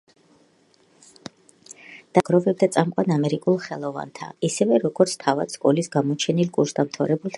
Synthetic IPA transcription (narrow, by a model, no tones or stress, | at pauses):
d̪̥aɡ̥ɾɔvɛb̚d̪at̪sʼamqʼwanamɛɾikʼulˠχɛlˠɔva̰nt̪ʰa̰isɛvɛɾɔɡɔɾt̪sʰt̪ʰava̰t̪skʼɔlisɡamɔt͡ʃʰɛnilkʼuɾsd̪amt̪ʰavɾɛbulˠt̪ʰ